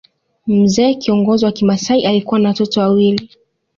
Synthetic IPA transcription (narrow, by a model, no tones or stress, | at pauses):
m̩zɛːkiɔŋɡɔziwakimasaiʔalikuwanawatɔtɔwawili